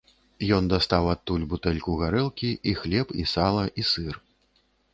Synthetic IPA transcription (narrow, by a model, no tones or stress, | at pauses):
jɔnd̪ast̪awat̪ːulʲbut̪ɛlʲkuɣaɾɛlˠkʲiʔixlʲɛpisalˠɐʔisɨr